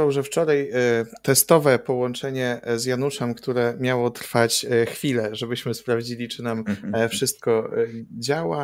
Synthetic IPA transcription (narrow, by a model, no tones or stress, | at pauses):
awʐɛft͡ʂɔɾajt̪ɛst̪ɔvɛpɔwɔnt͡ʂɛɲɛzjanuʂɛmkt̪uɾɛmʲjawɔt̪ɾfat͡ɕxfʲilɛʐɛbɘɕmɘspɾavd͡ʑilʲit͡ʂɘnamfʂɘst̪̚kɔd͡ʑawa